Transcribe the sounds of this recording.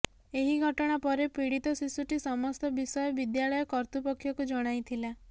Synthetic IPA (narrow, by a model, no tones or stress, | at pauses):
eɦiɡʱɔʈɔɽ̃apɔɾepiɽit̪ɔsisuʈisɔmɔst̪ɔbisɔjɔbid̪jaɭɔjɔkɔɾt̪upɔkʰːjɔkud͡ʒɔɽ̃ajt̪ʰila